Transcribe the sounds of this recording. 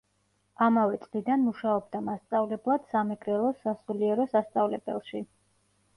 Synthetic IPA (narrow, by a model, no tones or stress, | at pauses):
amavɛt̪sʼlid̪anmuʃaɔbd̪amast̪sʼavlɛblˠad̪̥samɛɡɾɛlˠɔsasuliɛɾɔsast̪sʼavlɛb̥ɛ̰lˠʃi